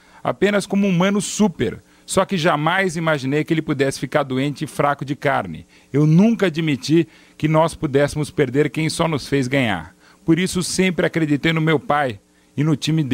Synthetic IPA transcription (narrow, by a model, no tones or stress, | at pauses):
a̰pẽnɐskõmʊumɐ̃nʊsupḛɾ | sɔkɪʒamajzimaʒinejkɪelɪpud̪ɛsɪ̥fikaɾd̪uẽnt͡ʃɪfɾakʊd͡ʒɪkaɾnɪ̰ | ewnũkɐad͡ʒimit͡ʃi | kɪnɔspud̪ɛsɪmʊspeɾd̪eɾkẽj̃sɔnʊsfejzɡɐ̃ɲa̰ɾ | poɾisʊsẽmpɾɪakɾed͡ʒit̪ejnʊmewpaj | ɪnʊt͡ʃĩmɪd̪